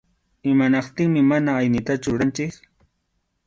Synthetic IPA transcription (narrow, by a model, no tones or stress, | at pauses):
ɪmanɑqt̪ɪŋmɪmanaːjnɪt̪at͡ʃʊɾant͡ʃɪk